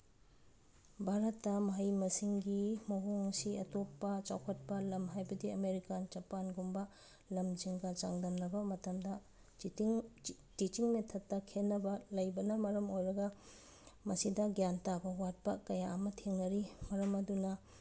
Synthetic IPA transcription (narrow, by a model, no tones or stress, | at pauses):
bʱaɾɐtːɐmɐɦɐjmɐsiŋɡimɐɦoŋɐsiɐtopːɐt͡ʃawkʰɐt̚pɐlɐmɦajbɐdiɐmeɾikand͡ʒɐpanɡumbɐ | lɐmd͡ʒiŋɡɐt͡ʃaŋdɐmnɐbɐmɐtɐmdɐ | tit͡ʃiŋmetʰɐtːɐkʰenːɐbɐlɐjbɐnɐmɐɾɐmojɾɐɡɐ | mɐsidɐɡjantaɡɐwat̚pɐ̰kɐjaɐmɐtʰeŋnɐɾimɐɾɐmɐdunɐ